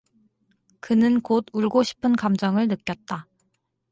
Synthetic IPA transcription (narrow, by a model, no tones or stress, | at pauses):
kɯnɯnkoduɭɡoɕʰi̥pʰɯnkamd͡ʑʌŋɯɭnɯk͈jʌt̚t͈a